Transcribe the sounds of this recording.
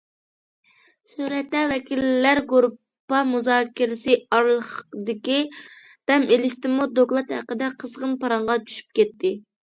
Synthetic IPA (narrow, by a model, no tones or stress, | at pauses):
suɾɛt̪lɛwɛkʲʰillːæɾɡuɾ | pːɑmuzɑːkʲɪɾɪsɨɑɾlˠəχd̪ɪkʲi | b̥ɛmelɪʃt̪ɪmud̪oklˠɑt̪hæ̰qəd̪ɛqʰəzʁənpɑɾɑɴʁɑt͡ʃʰy̥ʃy̥p̚kʲɛt̪ʰːɪ